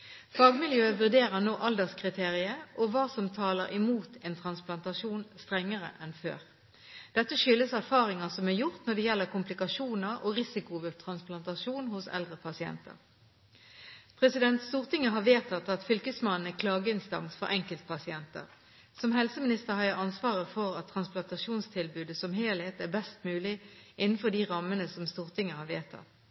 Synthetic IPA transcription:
fɑːɡmɪljøːʋʉʁd̪eːʁəʁnoːʔɑld̪əʁskʰʁɪt̪ʰeːʁɪəʔɔʋɑːsɔmt̪ʰɑːləʁɪmuːt̪ʰɛːnt̪ʰʁɑnsplɑnt̪ɑʂuːnst̪ʁɛŋːəʁə̰ʔɛnfø̰ːʁ | d̪̥ɛt̪ːəʃʏlːəsæʁfɑːʁɪŋɑsɔmæjʊʁt̪nɔd̪ɛjɛlːəʁkʊmplɪkɑʂuːnəʁɔʁɪsɪkʊʋəlt̪ʰʁɑnsplɑnt̪ɑʃuːnhʊsɛ̰ld̪ʁəpʰɑsɪɛ̰nt̪ə̰ʁ | pʰʁɛsɪd̪ɛnt̪st̪uːʁt̪ɪŋːəɦɑːʋeːt̪ʰɑt̪ɑt̪fʏlkəsmɑnn̩ækʰlɑːɡəɪnst̪ɑ̰ŋsfɔ̰ɾʔɛŋkəlt̪̚pʰɑsɪɛnt̪ə̰ʁ | sɔmɦɛlsəmɪnɪst̪əʁhɑjəɑnsʋɑːʁəfɔʁɑt̪ʰːɾɑnsplɑnt̪ɑʂuːnst̪ʰɪlbʉːd̪əsɔmɦeːlheːt̪æbɛst̪mʉːlɪʔɪnːn̩fɔʁd̪iːʁɑmːənəsɔmst̪uːʁt̪ɪŋːəhɑʋeːt̪ʰɑ̰t̪

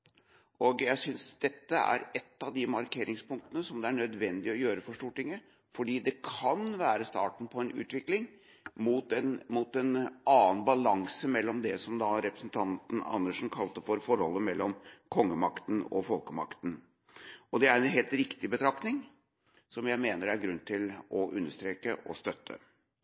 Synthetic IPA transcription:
ɔɡjæɪsʏnsd̪ɛt̪ːəæ̰ɾɛt̪ːɑʋd̪ɪmɑɾkʰeːɾʔɪŋspʊŋkt̪ənəsɔmd̪ɛæɳœd̪ʋɛnd̪ɪɔjøːɾəfɔʂʈuːʈɪŋːə | fɔɖiːd̪ɛkʰɑnʋæːɾəst̪ɑ̰ːʈɳ̩pʰɔɛnʉ̰ːt̪ʋɪklɪŋ | muːt̪ɛnmuːt̪ɛnɑːənbɑlɑŋsəmɛlːɔmd̪ɛsɔmd̪ɑɾɛpɾəsn̩t̪ʰɑnt̪ən̩ɑ̰nːəʂn̩kʰɑlt̪əfɔɾfɔɾhɔ̰lːəmɛlːɔmkʰɔŋːəmɑkt̪n̩ɔ̰fɔlkəmɑ̰kt̪n̩ | ɔd̪ɛæɾɛnɦeːlt̪ɾɪkt̪ɪbət̪ʰɾɑknɪŋ | sɔmjæɪmeːnəɾæɾɡɾʉnːt̪ʰɪlɔʔʉnːəʂt̪ɾeːkəʔɔ̰st̪œt̪ʰːə̰

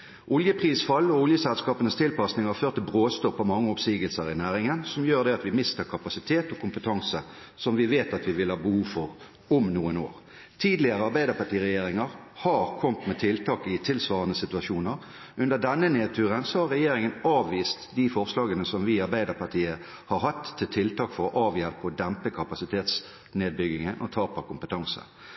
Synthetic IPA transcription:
ʔʊljəpʰʁiːsfɑlːɔʊljəsɛlskɑːpənəst̪ʰɪlpɑsnɪŋɑʁføːʁt̪ʰːəbʁoːst̪ɔpːɑʋmɑŋːəɔpsiːɡəlsəɾɪnæːʁɪŋənsɔmjøːʁd̪ɛɑt̪ʋɪmɪst̪əɾkʰɑpɑsɪt̪ʰeːt̪ɔkʰʊmpət̪ʰɑŋsə | sɔmʋɪʋeːt̪ɑt̪ʋɪʋɪlhɑːbəhuːʋfɔʁ | ɔmnuːəno̰ːʁ | t̪ʰiːd̪lɪəʁəɑɾbæɪd̪əpɑʈiːʁɛjeːɾɪŋəʁhɑɾkʰɔmt̪mɛt̪ʰɪlt̪ʰɑːkɪt̪ʰɪlsʋɑːʁənəsɪt̪ʉɑʃuːnəɾ | ʔʉnd̪əd̪ɛnːəneːt̪ʰʉːʁənsɔhɑʁɾːɛjeːɾɪŋənɑːʋʋiːst̪d̪ifɔʁslɑːɡənəsɔmʋɪɑɾbæɪd̪əpɑʈ̪ʰiːə | hɑɾɦɑt̪ʰːɪlt̪ʰɪlt̪ɑːkfɔʁɔʔɑːʋjɛlpəɔd̪ɛmpəkʰɑpɑsɪt̪ʰeːt̪s | neːd̪̚bʏɡɪŋənʔɔt̪ʰɑːpɑkʊmpət̪ʰɑŋsə̰

